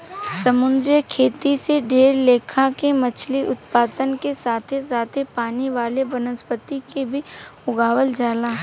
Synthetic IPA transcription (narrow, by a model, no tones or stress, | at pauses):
sɐmʊ̃nd̪ɾjəkʰeːt̪iseɖʱeːɾleːkʰãkemɐt͡ʃʰliʔʊt̪paːd̪ənkesaːt̪ʰezaːt̪ʰepaːniʋaːlebənəspət̪ikebʱiʊɡaːʋəld͡ʒaːlãː